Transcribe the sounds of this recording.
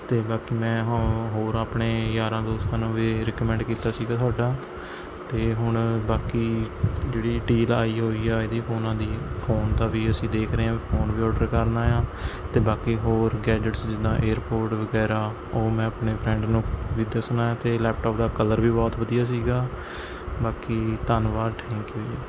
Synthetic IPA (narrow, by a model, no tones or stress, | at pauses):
t̪eːbaːkiːmɛ̃ːɦɦoːɾaːpɳeːjaːɾãːd̪oːst̪ãːnũːʋiːɾɛkəmɛ̃ɳɖkiːt̪aːsiːɡaːt̪ʰʊaːɖaː | t̪eːɦʊɳbaːkiːd͡ʒeːɽiːɖiːlaːiːɦoːiːaːɪd̪iːpʰoːnãːd̪iːpʰoːnt̪aːʋiːəsĩːd̪eːkʰɾeːãːpʰoːnʋiːɔːɖəɾkəɾnaːjãːt̪eːbaːkiːɦoːɾɡɛːd͡ʒəʈsd͡ʒɪd̪ãːʔeːəɾpoːɾʈʋəɡɛːɾaː | oːmɛ̃ːəpɳeːbʰɾɛ̃ːɳɖnũːʋiːd̪aːsʊnaːjaːt̪eːlɛːp̚ʈɔːp̚d̪aːkələɾʋiːbɔːt̪ʋəd̪ijaːs̬iːɡaː | baːkiːt̪ənʋaːʈʰɛ̃ːŋkːɦoːiːaː